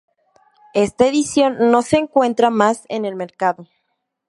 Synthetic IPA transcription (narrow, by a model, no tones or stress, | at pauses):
e̞st̪ae̞ðisjo̞nːo̞se̞ːŋkwe̞nt̪ɾamasḛne̞lme̞ɾkaðo̞